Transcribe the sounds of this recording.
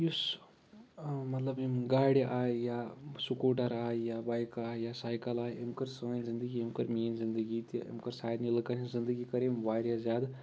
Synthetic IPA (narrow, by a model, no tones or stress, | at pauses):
jus | mɐt̪lɐbimɡaːɽiʔaːjaːsukoːʈɐɾaːjaːbaːjkaːjaːsaːjkɐlaːimkɐɾsɐaːnzĩnd̪əɡiimkɐɾmijenzind̪əɡit̪iḭmkɐɾsaːjd̪nilkɐnizind̪əɡikɐɾẽmʋaːɾjazjaːd̪